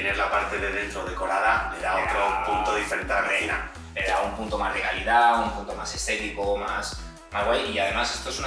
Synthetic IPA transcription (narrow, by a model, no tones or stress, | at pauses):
eneɾlapaɾt̪e̞ðeðe̞nt̪ɾoðe̞ko̞ɾaðale̞ðaot̪ɾopunt̪oðifeɾent̪eerejna̰ | le̞ðaumpunt̪o̞mazleɣaliðaumpunt̪o̞mase̞st̪e̞t̪ikomas | mazɣwajiað̞e̞mase̞st̪oe̞sun